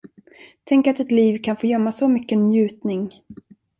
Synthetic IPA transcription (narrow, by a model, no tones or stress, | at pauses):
t̪ʰɛŋkat̪ɛt̪liːvkʰanfoːjœmːasɔmʏkːənjʉ̟ːt̪nɪŋ